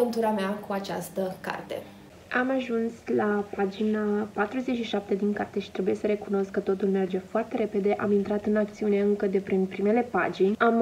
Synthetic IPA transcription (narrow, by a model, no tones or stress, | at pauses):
ənt̪uɾameakuat͡ʃa̰st̪əka̰rt̪e̞̰ | amaʒunslapad͡ʒinapat̪ɾuze̞t͡ʃʲʃiʃap̚t̪e̞d̪inkart̪eʃi̥t̪ɾe̞buje̞səɾe̞kuno̞skːət̪o̞t̪ulme̞rd͡ʒe̞foart̪e̞ɾe̞pe̞d̪e̞ʔamint̪ɾat̪ɨnakt̪siune̞ɨŋkəd̪e̞pɾinpɾime̞le̞pa̰d͡ʒinʲam